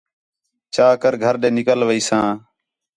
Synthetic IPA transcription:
t͡ʃaːkəɾɡʱəɾɗ̪ẽːnɪkəlʋəiːsãː

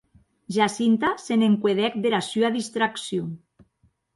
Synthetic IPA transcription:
ʒasint̪aseneŋkweðɛk̚d̪eɾasyaðist̪ɾaksjo

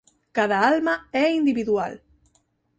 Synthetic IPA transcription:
kaðaalmaɛind̪iβiðua̰l

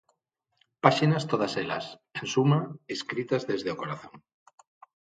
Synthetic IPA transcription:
paʃinast̪oð̞asela̰s | ensumaeskɾit̪azðezðeokoɾaθõŋ

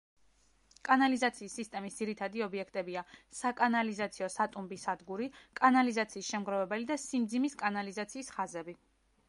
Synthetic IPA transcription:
kʼanalizat̪sʰiːsːist̪ʼɛmisd̪ziɾit̪ʰad̪iɔbiɛkʰt̪ʼɛbiasakʼanalizat̪sʰiɔsat̪ʼumbisad̪ɡuɾikʼanalizat̪sʰiːsʃɛmɡɾɔvɛbɛlid̪asimd̪zimiskʼanalizat̪sʰiːsχazɛbi

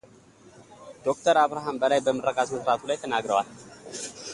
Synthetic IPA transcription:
d̪̥o̞kt̪ʰəɾaβɾaɦambəlajbəmɨrəɡat̪məsɾat̪ʰulajt̪ʰənaɡɾəwal

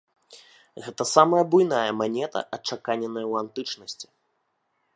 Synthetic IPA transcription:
ɣɛt̪ɐsamɐjɐbujn̪ajɐmanʲɛt̪ɐ̰ʔɐt͡ʂakanʲɛnɐjɐwant̪ɨt͡ʂnɐsʲt͡sʲi̥

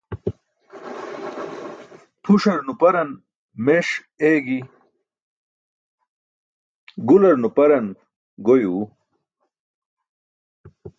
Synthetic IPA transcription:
t̪ʰuʂɐɾnupɐɾɐn | meʂ | eːɡi | ɡulɐɾnupɐɾɐn | ɡojuː

